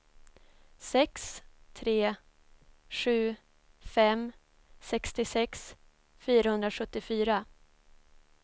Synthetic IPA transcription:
sɛkst̪ʰɾeː | ɧʉ̟ː | fɛm | sɛkst̪ɪsɛks | fyːɾahɵnd̪ɾaɧɵt̪ːɪfyːɾa

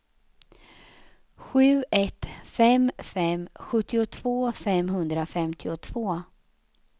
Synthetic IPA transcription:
ɧʉ̟ːɛt̪fɛmfɛmɧɵt̪ːɪʊt̪ʰv̥oːfɛmɦɵnd̪ɾafɛmt̪ʰɪʊt̪ʰv̥oː

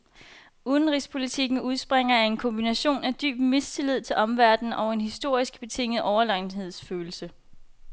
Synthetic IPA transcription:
uðˠn̩ʁḭspʰo̝lit͡sʰiɡ̥n̩uð̞ˠsb̥ʁeŋ̰ɐæɐe̝nkʰɔ̽mb̥inæɕo̝̰ːnæd̥y̰ːb̥me̝st͡sʰe̝lið̞̰ˠt͡sʰe̝lʔɒ̽mʋæɐd̥n̩ʔɒ̽ʊe̝nɦisd̥o̝ɐ̰isɡ̥b̥e̝t͡sʰe̝ŋ̰ð̩ˠʔɒʊɐlɑ̈ɪnɦe̝ð̞̰ˠsføːl̩sə

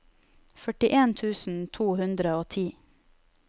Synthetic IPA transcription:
fœʈɪʔeːnt̪ʰʉːsn̩t̪ʰuːhʉnd̪ɾəoːt̪ʰiː

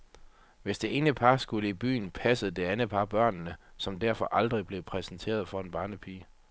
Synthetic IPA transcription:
ʋe̝sd̥e̝e̝ːnəpʰɑ̈sɡ̥uləib̥y̰ːnpʰæsəð̩ˠd̥e̝ænəpʰɑ̈b̥ɶɐ̰nːəsɒ̽md̥æɐfɒ̽ʔɑ̈ld̥ʁib̥le̝pʰʁɛsn̩t͡sʰe̝̰ːɐð̞ˠfɒ̽e̝nb̥ɑ̈ːnəpʰiːə

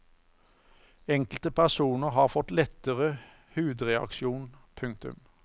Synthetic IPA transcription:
ɛŋkl̩t̪əpʰæʁsuːnəʁɦɑːʁfɔt̪lɛt̪əʁə | hʉːd̪ʁɛɑ̰kʃɪuːnpʰʉŋk̚t̪ʉ̰m

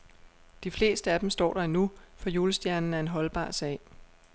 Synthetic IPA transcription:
d̥ifle̝̰ːsd̥əæd̥em̩sd̥ɒ̰ːɾ̥ɐinufɒ̽juːləsd̥jæɐnn̩æɐe̝nɦɒ̽lb̥ɑ̰̈ːsɛ̰ːɪ

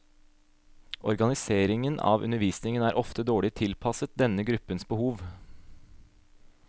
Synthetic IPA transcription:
ʔɔɾɡɑnɪseːɾɪŋənʔɑ̰ːʋʔʉ̰nəɾʋiːsnɪŋənæːɾʔɔft̪əd̪oːɭɪt̪ʰɪlpʰɑsət̪̚d̪ɛnəɡɾʉpːənsbəhuːʋ

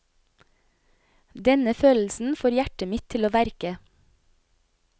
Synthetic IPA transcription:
d̪ɛnəføːll̩sn̩foːɾjæʈəmɪt̪ʰɪloːʋæɾkə

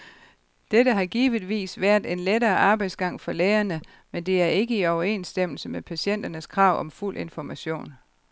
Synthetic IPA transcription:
d̥edəɦɑ̈ɡ̥iːʋiðˠʋḭːsʋæːɐ̰d̥e̝nledɐːʔɑ̈ːb̥ɑ̈ɪd̥sɡ̥ɑ̈ŋ̰fɒ̽leːɐnə | mend̥e̝æɐe̝ɡ̥əiɒʊɐe̝̰ːnsd̥em̰l̩səmepʰæɕen̰d̥ɐnəskʰʁɑ̈ʊ̰ʔɒ̽mful̰ʔe̝nfɒmæɕo̝̰ːn

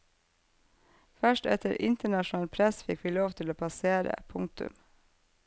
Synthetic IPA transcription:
fœʃʈɛ̰t̪ʰəɾʔɪ̰nt̪əɳɑʃnɑːlpʰɾɛsfɪkʋiːloːʋt̪ʰɪloːpʰɑseːɾə̰pʰʊŋ̚t̪ʉ̰m

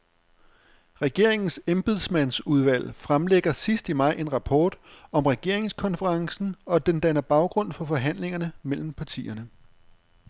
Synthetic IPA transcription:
ʁɛɡ̥e̝ɐ̰e̝ŋn̩semb̥ið̞ˠsmæn̰suð̞ˠʋæl̰fʁamleɡ̥ɐsisd̥imɑ̈ɪ̰ʔe̝nʁɑ̈pʰɒːd̥ɒ̽mʁɛɡ̥e̝ɐ̰e̝ŋskʰɒ̽nfəʁɑ̈ŋsn̩ɒ̽d̥end̥ænɐb̥ɑ̈ʊɡ̥ʁɔ̽n̰fɒ̽fɒ̽ɦæn̰le̝ŋɐnəmel̰m̩pʰɑ̈t͡sʰḭːɐnə

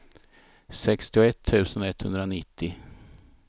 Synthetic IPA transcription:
sɛkst̪ɪʊɛt̪ʰːʉ̟ːsənɛt̪ːhɵnd̪ɾaonɪt̪ʰːɪ

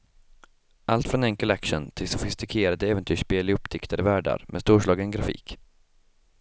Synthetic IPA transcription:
ʔalt̪fɾɔnɛŋkəlækʂənt̪ʰɪlsɔfɪst̪ɪkʰeːɾad̪əɛːvənt̪ʰyːʂpeːlɪɵpːd̪ʰɪkt̪ʰəɾəvæːɖa̰ɾmʔɛ̰st̪uːʂɭɑːɡənɡɾafḭːk

